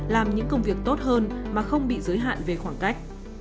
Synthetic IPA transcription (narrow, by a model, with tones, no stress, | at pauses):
laː˨˩mɲɨ̰˧˥ŋkə˧wŋ͡mvi˨˩ək̚t̪o˦˥t̚ɦəː˧nmaː˨˩xə˧wŋ͡mɓḭ˧˨zəː˨˦jɦa̰ː˧˨nve˨˩xwaː˧˩ŋka˦˥jk̟̚